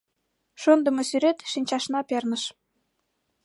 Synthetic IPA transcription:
ʃond̪ə̆mŏsyɾet̪ʃinʲt͡ɕɑʃnɑpernəʃ

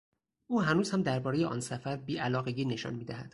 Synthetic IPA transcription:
ʔuːɦænuːzhæmd̪æɾbɒːɾejeʔɒ̰nsæfæɾbiːʔælɒːɣe̞ɡiːne̞ʃɒ̰nmiːd̪æhæd̪̥

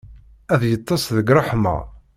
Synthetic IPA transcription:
æðjət̪ˤːɑsðəɡɾˤɑħma̰

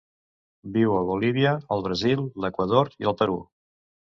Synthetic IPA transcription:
biwəβuliβ̞iəːlˠβɾəzilˠːəkwəðoɾiəlˠt̪əɾṵ

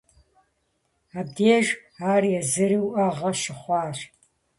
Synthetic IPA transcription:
aːb̚deːʒaːrjɛzɨɾiwʔɐʁɐʃɪχʷɑːr

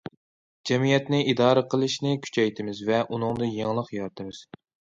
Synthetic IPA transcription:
d͡ʒɛmijɛt̪nɪʔid̪ɑːɾəqʰəlˠɨʃnɪkʲʰy̥t͡ʃʰɛjt̪ʰɪmɪzvɛʔunɨŋd̪ɨjeŋlˠəqjɑɾt̪ʰɨmɨz̥

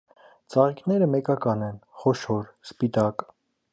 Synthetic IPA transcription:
t͡sɑʁiknɛɾəmɛkɑkɑnɛnχɔʃɔɾspit̪ɑk

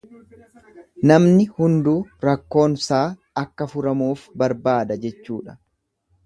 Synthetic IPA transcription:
nɐmnɪhʊnd̪uːɾɐkːo̞ːnsaː | ɐkːɐfʊɾɐmuːfbɐɾbaːd̪ɐd͡ʒɛt͡ʃːuːᶑɐ̥

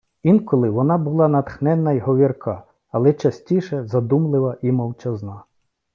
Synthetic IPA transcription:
inkɔlˠɪʋɔnɑbʊlˠɑnɐt̪xnɛnːɐjɦɔʋʲirkʰɑ | ɐlˠɛt͡ʃɐsʲtʲiʃɛzɐd̪umlˠɪʋɐʔimɔwt͡ʃɛznɑ

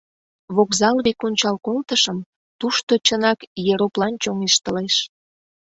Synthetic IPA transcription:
βokzɑlβekonʲt͡ɕɑlkolt̪əʃəm | t̪uʃt̪ot͡ɕənɑkjeɾoplɑnt͡ɕoŋeʃt̪əleʃ

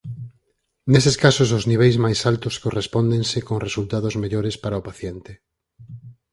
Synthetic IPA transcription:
neseskasʊs̬ʊzniβ̞ejzmajsalt̪ʊskorespɔnd̪eŋsɪkoŋresult̪aðʊzmeʎoɾespaɾaopaθjent̪ɪ

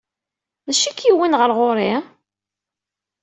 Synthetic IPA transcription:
ðæʃikːiwinʁəɾʁoɾi

